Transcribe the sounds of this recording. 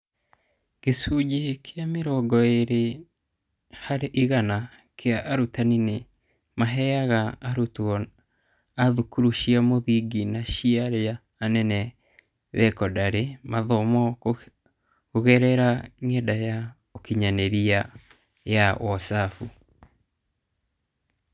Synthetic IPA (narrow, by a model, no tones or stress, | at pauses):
kesuɟikʰeameɾɔɡɔeɾe | haɾeʔiɣana | kʰeaʔaɾutanine | maɦɛaɣaːɾutɔ | aðukuɾuʃiamoðiɡinaʃiaɾeaː | nɛnɛ | ðɛkɔdaɾemaðɔmɔ | oɣɛɾɛɾaŋɛdaja | okiɲaneɾia | jaʔwɔsafu